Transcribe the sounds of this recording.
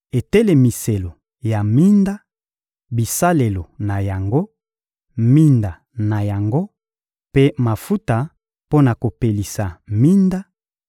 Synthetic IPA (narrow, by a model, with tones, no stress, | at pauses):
e˨tɛ˦le˨mi˨se˨lo˨ | ja˨mi˦nda˦ | bi˨sa˦le˨lo˨na˨ja˨ŋɡo˦ | mi˦nda˨ | na˨ja˨ŋɡo˦ | pe˦ma˨fu˦ta˨ | po˦na˨ko˨pe˨li˨sa˨mi˦nda˦